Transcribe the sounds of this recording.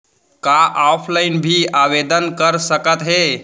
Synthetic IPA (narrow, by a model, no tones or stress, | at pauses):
kaʔapʰlaɪnbʱiaʋed̪ənkəɾsəkət̪ɦe